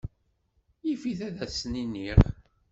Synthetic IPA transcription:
ifiθæðæsninːiʁ

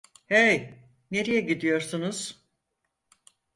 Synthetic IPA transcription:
ej | ne̞ɾijɛɟid̪ijo̞ɾsunuz̥

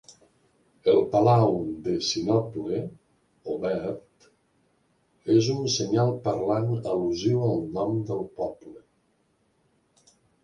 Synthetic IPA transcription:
əlˠpalawd̪əsinɔple | oβɛɾt̪ | ezunsəɲalˠpəɾlanəluziwəlˠnɔmd̪əlˠpɔplə

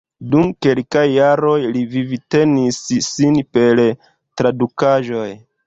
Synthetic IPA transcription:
dumke̞lkajːaɾo̞jlivivite̞nisːinpe̞l | tɾadukaʒo̞j

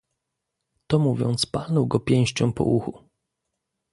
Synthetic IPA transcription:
t̪ɔmuvʲjɔ̰nt̪spalnɔwɡɔpʲjɛ̃w̃ɕt͡ɕɔ̃w̃pɔ̰ʔuxu

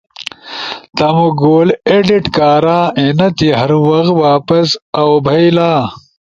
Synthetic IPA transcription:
t̪ɐmuɡoːleɖiʈkaːɾaːenɐt̪iɦɐɾwɐxwaːpɐsɐwbʱɐjlaː

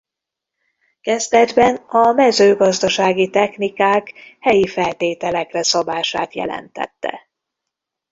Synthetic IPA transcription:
kɛzd̪ɛd̪bɛnɒmɛzøːɡɒzd̪ɒʃaːɡit̪ɛxnikaːkhɛjifɛlt̪eːt̪ɛlɛkrɛsɒbaːʃa̰ːt̪jɛ̰lɛ̰nt̪ɛ̰t̪ːɛ̰

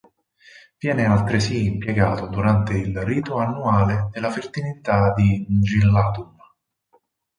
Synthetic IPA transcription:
vjɛːnealt̪ɾesiːmpjeɡaːt̪od̪uɾant̪eilriːt̪oanːuaːled̪elafert̪init̪ad̪id͡ʒilːaːt̪um

